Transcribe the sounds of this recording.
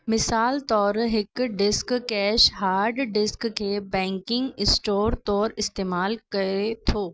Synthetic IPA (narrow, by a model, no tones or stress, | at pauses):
mɪsaːlt̪ɔːɾɦɪkɖɪskkɛːʃɦaːɾɖɖɪskːebɛ̃ːŋkɪ̃ŋɡɪsʈoːɾt̪ɔːɾɪst̪eːmaːlkɐet̪ʰoː